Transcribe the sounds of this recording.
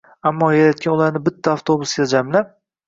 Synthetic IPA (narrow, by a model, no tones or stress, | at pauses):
amːɒjaɾat̪̚kʲanʊlaɾnɪbɪt̪ʰːaːft̪ʰobʊsɡʲald͡ʒamlap̚